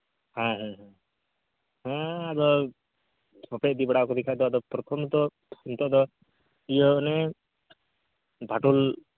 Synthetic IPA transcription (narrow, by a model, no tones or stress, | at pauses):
hãɦãɦã | ɦãad̪ɔ | pɔped̪ibɛɽakɔd̪ɛkʰajd̪ɔd̪ɔpɾɔt̪ʰɔmt̪ɔ | unt̪ɔʔd̪ɔ | ijɔːnɛ | bʱaʈul